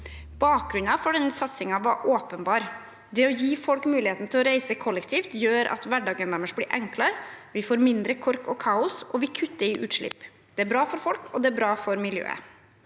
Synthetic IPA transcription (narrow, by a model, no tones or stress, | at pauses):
b̥ɑːk̚ɡɾʉnɑfɔɖɛnːəsɑt̪sɪŋɑʋɑʔoːpənbɑːɾ | d̪ɛɔjiːfɔlkmʉːlɪheːt̪nt̪ʰɪlɔɾæɪsəkʰɔlːɛkt̪ʰiːft̪jøːɾɑ̰t̪ʋæɖɑːɡənɛməʂblɪːɾʔɛŋklɑɾʋɪfoːɾmɪnd̪ɾəkʰɔɾkɔkʰɑːʊsɔʋɪkʰʉt̪ːəɾɪʔʉːt̪ʂɭɪ̰pː | d̪̥ɛæbɾɑːfɔɾfɔlkʰɔd̪ɛæbɾɑːfɔɾmɪljø̰ːə̰